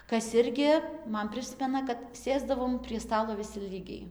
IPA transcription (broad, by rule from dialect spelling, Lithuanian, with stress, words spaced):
ˈkɐs ˈɪrʲɡʲɪ ˈmɐn ˈpʲrʲɪsʲmʲɛnɐ kɐt ˈsʲeːzdɐʋoːm pʲrʲiɛ ˈstɑːlˠoː ʋʲɪˈsʲɪ ˈlʲiːɡʲɛɪ